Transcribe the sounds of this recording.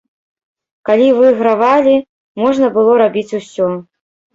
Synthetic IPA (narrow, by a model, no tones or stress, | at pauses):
kalʲivɨɣɾavalʲi | mɔʐnɐbɨlˠɔɾabʲit͡sʲusʲɔ